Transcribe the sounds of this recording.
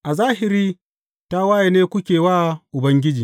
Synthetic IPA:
ʔa˨zaː˦hɪ˨ɾiː˦ | ta˦wa˦je˨neː˦kʷʊ˦kʲeː˨waː˦ʔʊ˨bɐ˦ŋɡʲɪ˦d͡ʒiː˨

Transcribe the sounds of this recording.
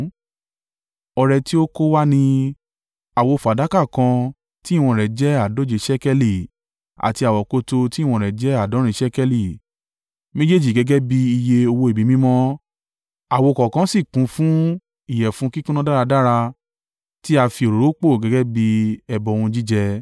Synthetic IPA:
ɔ˧ɾɛ˧ti˦o˦ko˦wa˦nĩ˧ | a˨wo˨˧fo˨a˨da˨˦ka˦˨kã˧ | ti˦˨w̃ɔ̃˧˨ɾɛ˨d͡ʒɛ˦a˦˨do˨˦d͡ʒe˨˧˦ʃɛ˦kɛ˦li˨ | a̰˨ti˧a˨wɔ˨ko˧to˧ti˦˨w̃ɔ̃˧˨ɾɛ˨d͡ʒɛ˦a˦˨dɔ̃˨˦ɾ̃ĩ˧˦ʃɛ˦kɛ˦li˦˨ | mẽ˦d͡ʒe˦˨d͡ʒi˦˨ɡɛ˨˦ɡɛ˦bi˧i˧je˧o˧wo˧i˨bi˨˦mĩ˦mɔ̃˦ | a˨wo˨kɔ˨kã˨˦si˦˨kũ˨˦fũ˦ | i˦˨jɛ˨fũ˨˦ki˦kũ˦nã˦da˦ɾa˧da˦ɾa˧ | ti˦a˧fi˧o˨ɾo˨ɾo˨˦k͡po˦˨ɡɛ˨˦ɡɛ˦bi˧ɛ˧bɔ˧wũ˧d͡ʒi˦d͡ʒɛ˧

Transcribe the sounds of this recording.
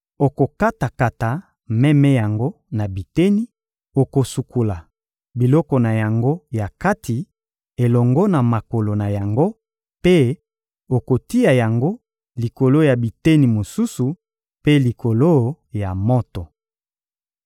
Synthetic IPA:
o˨ko˨ka˦ta˨ka˨ta˨ | mɛ˦mɛ˦ja˨ŋɡo˦ | na˨bi˨te˦ni˦ | o˨ko˨su˨ku˨la˨ | bi˨lɔ˦kɔ˨na˨ja˨ŋɡo˦ja˨ka˦ti˨ | e˨lɔ˨ŋɡɔ˦na˨ma˨ko˨lo˨na˨ja˨ŋɡo˦ | pe˦ | o˨ko˨ti˦ja˨ja˨ŋɡo˦ | li˨ko˨lo˦ja˨bi˨te˦ni˨mo˨su˦su˨ | pe˦li˨ko˨lo˦ | ja˨mɔ˦tɔ˨

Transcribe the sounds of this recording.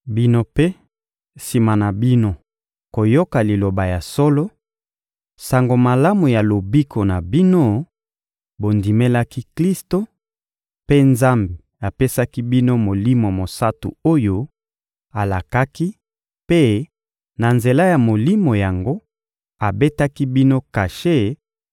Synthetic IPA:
bi˦no˦pe˦ | si˨ma˨na˨bi˦no˦ | ko˨jo˦ka˨li˨lo˨ba˨ja˨so˦lo˦ | sa˨ŋɡo˨ma˨la˦mu˨ja˨lo˨bi˦kʰo˨na˨bi˦no˦ | bo˨ndi˨me˦la˦ki˦kli˦sto˦ | pe˦nza˦mbe˨ | a˨pe˦sa˦ki˦bi˦no˦mo˨li˦mo˨mo˨sa˦tṵ˨o˦jo˦ | a˨la˨ka˦ki˦ | pe˦ | na˨nze˨la˦ja˨mo˨li˦mo˨ja˨ŋɡo˦ | a˨be˦ta˦ki˦bi˦no˦ka˨ʃe˦˨

